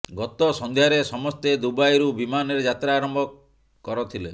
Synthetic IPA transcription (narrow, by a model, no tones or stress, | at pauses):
ɡɔt̪ɔsɔnd̪ʱjaɾesɔmɔst̪ed̪ubajɾubimaneɾd͡ʒat̪ɾaːɾɔmbʱɔ | kɔɾɔt̪ʰile